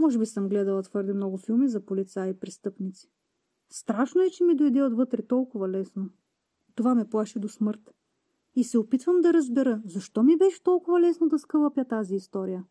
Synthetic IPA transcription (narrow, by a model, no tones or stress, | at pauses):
mɔʒɛbisɤmɡlɛd̪ɐlˠɐt̪vɤɾd̪ɛmnɔɡʊfilˠmizɐpolit̪saipɾɛst̪ɤpnit̪si̥ | st̪ɾaʃnoɛt͡ʃɛmid̪ojd̪ɛod̪vɤt̪ɾɛt̪ɔlˠkʊvɐlɛsno | t̪ovamɛplˠaʃɛd̪osmɤɾt̪ | isɛopit̪vəmd̪ɐɾɐzbɛɾəzɐʃt̪ɔmibɛʃɛ̥t̪ɔlˠkʊvɐlɛsnod̪ɐskəlˠɐpjət̪aziːst̪ɔɾijə